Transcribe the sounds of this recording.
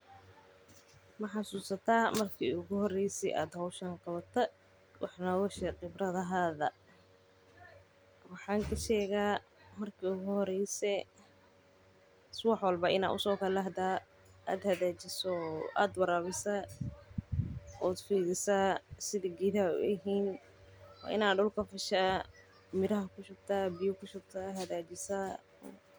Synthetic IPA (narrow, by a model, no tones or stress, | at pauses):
mɐħɑsuːsɐt̪ʰaːmɐrkʰḭːʊɣʊhɔrɛjsɛ̰ʔa̰ːd̪hɐwʃɐŋqɑβɐt̪ʰɐ | wʔɑħnɔːɣɔʃɛqɪbrɐðɐɦaːðɐ | wɑħɑːŋkʰɐʃɛːɣaː | mɐrkʰiːʊɣʊhɔɾɛjsɛ | swɑħwɐlbɐʔɪ̰na̰ːʔʊ̰sɔːkʰɐlɐɦd̪a | a̰ːd̪hɐðaːt͡ʃɪsɔʔa̰ːd̪wɑɾaːβɪsɐ | ɔːd̪fiːðɪsasɪðɪɡɪðɐ̰ɪɦiːn | wɑ̰ːʔɪ̰naːɖʊlkʰɐfɪʃaː | mɪɾɐɦɐkʰʊʃʊb̚t̪ʰaːbɪjʊkʰʊʃʊb̚t̪ʰaːhɐðaːt͡ʃɪsa